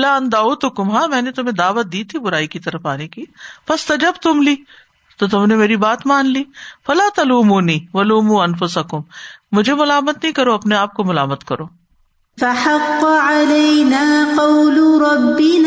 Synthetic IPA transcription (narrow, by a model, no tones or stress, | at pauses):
laːɐnd̪aːuːt̪ʊkʊmɦãːmɛ̃ːnet̪ʊm̤ẽd̪aːʋət̪̚d̪iːt̪ʰibʊɾaːikit̪ɐɾəfaːnekiːfɐst̪ɐd͡ʒɐb̚t̪ʊmliː | t̪ot̪ʊmnemeːɾibaːt̪maːnliːfɐlaːt̪ɐluːmuːniːʋɐluːmuɐnfʊsɐkʊmːʊd͡ʒʱemʊlaːmət̪nɐɦĩkɐɾoɐpneaːp̚komʊlaːmət̪kɐɾoː | faħɑqːʕalɐjnaːqɑwlɾˤɑbːɪn